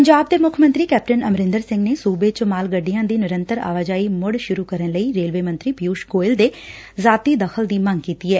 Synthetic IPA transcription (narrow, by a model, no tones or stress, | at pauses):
pəɲd͡ʒaːb̚d̪eːmʊkʰəmə̃nt̪ɾiːkɛːp̚ʈənəmɾɪ̃nd̪əɾsɪ̃ŋɡneːsuːbeːt͡ʃəmaːlɡəɖːijãːd̪iːnɪɾə̃nt̪əɾa̰ːʋad͡ʒaːiːmʊɽʃʊɾuːkəɾənləiːɾeːlʋeːmənt̪ɾiːpjuːʃɡoːɪld̪eː | zaːt̪iːd̪əxʰəld̪iːmə̃ŋɡkiːt̪iːɦɛː